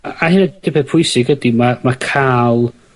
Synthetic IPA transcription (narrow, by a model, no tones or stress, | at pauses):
ahɪnɛd̥ɪpʰɛpʰʊjsɪɡədimamakʰaːlˠ